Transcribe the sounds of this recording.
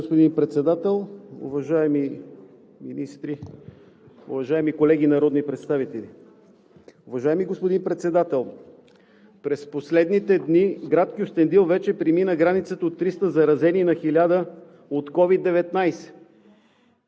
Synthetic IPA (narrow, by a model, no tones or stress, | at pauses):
ospod̪inpɾɛt̪sɛd̪at̪ɛlˠʊ̰vɐʒaɛmi | minist̪ɾi | ʊ̰vɐʒaɛmikolɛɡinɐɾɔd̪nipɾɛt̪st̪avit̪ɛli | ʊvɐʒaɛmiɡospod̪inpɾɛt̪sɛd̪at̪ɛlˠ | pɾɛsposlɛd̪nit̪ɛd̪niɡɾat̪kiost̪ɛnd̪ilˠvɛt͡ʃɛpɾiminəɡɾanit̪sət̪əot̪ːɾist̪əzɐɾɐzɛninɐxilʲad̪ə | ot̪kɔvid̪ːɛvɛt̪najsɛ̥